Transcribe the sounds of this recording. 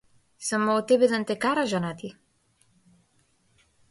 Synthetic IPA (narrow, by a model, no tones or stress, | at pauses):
samɔːt̪ːɛbɛd̪ant̪ɛkaɾaʒanat̪i